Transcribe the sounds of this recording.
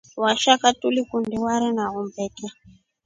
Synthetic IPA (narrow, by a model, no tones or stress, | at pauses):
waʃakatulikundiwaɾinaɣumbɛːka